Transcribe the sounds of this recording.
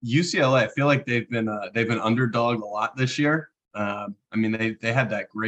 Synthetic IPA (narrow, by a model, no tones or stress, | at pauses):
jɨsilaɪfilaɪk̚ðeɪvbɨ̃nʌðeɪvbɨ̃nʌ̰̃ndə˞dɔɡ̚dəlɔt̪̚ðɪsjiɹ | ʌ̃maɪmĩnðeɪðeɪɨd̪̚ðɨt̚ɡ̥ɹeɪ